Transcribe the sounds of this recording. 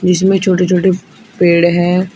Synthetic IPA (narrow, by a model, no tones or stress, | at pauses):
d͡ʒɪsmẽt͡ʃʰoːʈet͡ʃʰoːʈe | peːɽɦɛ̃ː